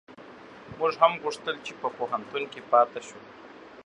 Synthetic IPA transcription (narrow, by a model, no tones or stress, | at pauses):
muʐɦamɣuʂt̪əlt͡ʃepəpoɦant̪unkepɑt̪aʃu